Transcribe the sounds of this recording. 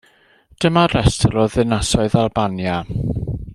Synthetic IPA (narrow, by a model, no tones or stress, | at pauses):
d̥əmaɾɛstʰəlˠɔðɪnasɔɨðalˠbanja